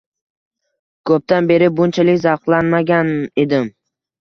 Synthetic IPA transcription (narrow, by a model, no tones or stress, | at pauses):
kʰɵp̚t̪anbe̞ɾɪbʊnt͡ʃʰalɪkʲzɑqlˠanmaɡʲane̞d̪ɪm